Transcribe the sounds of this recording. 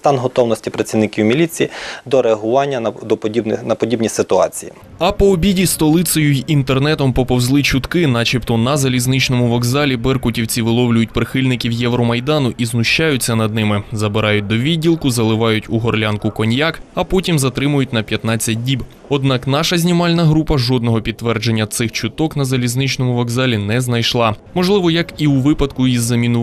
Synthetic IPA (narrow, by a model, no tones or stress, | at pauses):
st̪ɑnɦɔt̪ɔwnɔsʲtʲipɾɐt͡sʲiwnɪkʲiwmʲilʲit͡sʲijid̪ɔɾeɐɦʊʋɑnʲːɐd̪ɔibnɐpɔdʲibnʲisɪt̪ʊɑ̰t͡sʲijḭ | ɐpɔːbʲidʲist̪ɔlˠɪt̪sɔjʊjint̪ernɛt̪ɔmpɔpɔwzlˠɪt͡ʃʊt̪kɪnɑt͡ʃipt̪ɔnɐzɐlʲiznɪt͡ʃnɔmʊʋɔɡzɑlʲibɛrkʊtʲiwt͡sʲiʋɪlˠɔwlʲʊjʊtʲpɾɪxɪlʲnɪkʲiwjɛʋɾɔmɐjd̪ɑnʊʔiznʊʃt͡ʃɑjʊt͡sʲːɐnɐd̪̚nɪmɪzɐbɪɾɑjʊt̚ʲd̪ɔʋʲidʲːilˠkʊzɐlˠɪʋɑjʊtʲuɦɔrlʲankʊkɔnʲjakɐpɔtʲimzɐt̪ɾɪmʊjʊt̚ʲnɐpʲjɐt̪nɑt͡sʲːɐt̚ʲdʲib | ɔd̪nɑknɑʃɐzʲnʲimɑlʲnɐɦɾupɐʒɔd̪nɔɦɔpʲid̪t̪ːʋɛrd͡ʒe̞nʲːɐt̪sɪxt͡ʃʊt̪ɔknɐzɐlʲiznɪt͡ʃnɔmʊʋɔɡzɑlʲinɛznɐjʃlˠɑmɔʒlˠɪʋɔjɐkiuʋɪpɐd̪kʊizːɐmʲinʊ